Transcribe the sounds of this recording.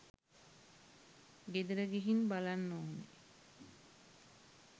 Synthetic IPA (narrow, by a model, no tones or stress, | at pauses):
ɡed̪eɾəɡeɦinbalanːoːɦonḛ